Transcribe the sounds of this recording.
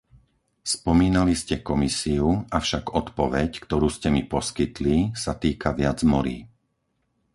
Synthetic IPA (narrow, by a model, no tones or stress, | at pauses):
spɔmiːnaliscɛkɔmisiuafʃaɡɔt̪pɔʋɛckt̪ɔɾuːscɛmipɔskit̪lisat̪iːkaʋɪad͡zmɔɾḭː